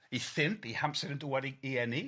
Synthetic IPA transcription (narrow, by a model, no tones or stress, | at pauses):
iθɪnpihampsɛɾənduwɛɾiiɛni